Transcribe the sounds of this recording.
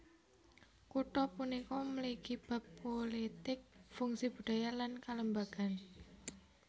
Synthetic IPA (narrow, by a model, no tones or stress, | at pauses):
kuʈɔpunikɔməlikib̥a̤pːolit̪ɪk̚fuŋsib̥ṳɖ̥ajalankaləmbaɡ̥a̤n